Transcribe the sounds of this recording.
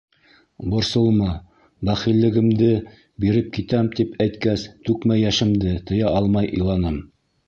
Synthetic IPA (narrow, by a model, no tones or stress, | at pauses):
bŏɾsɤ̆lˠmɤ | bæχilːɘ̆ɡɘ̆md̪ɘ | biɾɘp̚kit̪æmt̪ipæjt̪kæst̪ʉkmæjæʃɘ̆md̪ɘt̪ɤ̆jɑɑlˠmɑjʔɤ̰̆jlˠɑnɤm